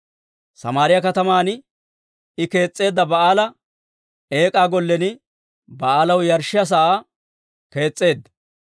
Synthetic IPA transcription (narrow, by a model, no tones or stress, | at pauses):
sɐ̰maːɾɪjɐkɐt̪ɐmaːn | ɪke̞ːt͡sʼːe̞ːd̪ːɐbɐaːlɐ | e̞ːkʼaːɡɔlːɛnɪ | bɐaːlɐwjɐɾʃːɪjɐs̬ɐa | ke̞ːt͡sʼːe̞ːd̪ːɐ